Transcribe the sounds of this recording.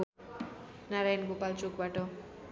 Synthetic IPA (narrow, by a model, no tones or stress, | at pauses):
naɾajʌnɡopalt͡sokbaʈʌ